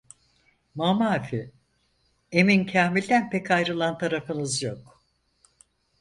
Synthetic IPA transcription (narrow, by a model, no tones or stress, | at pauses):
mamafi | e̞mincʰaːmilʲd̪ænpɛcʰajɾɯlˠant̪ʰaɾafɯnɯzjok